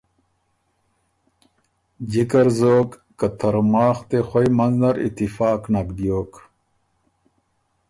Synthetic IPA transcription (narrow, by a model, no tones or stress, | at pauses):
d͡ʑikɐɾzoːk | kɐt̪ʰɐɾmaːxt̪exojmɐnzdɐɾḭt̪ifaːknakd̪ijoːk